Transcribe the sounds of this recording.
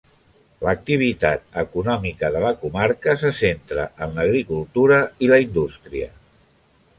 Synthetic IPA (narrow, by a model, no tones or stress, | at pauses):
lək̚t̪iβ̞it̪at̪̚əkunɔmikəðələkumaɾkəsəsent̪ɾə̰ʔənləɣɾikulˠt̪uɾəiləind̪ust̪ɾiə̰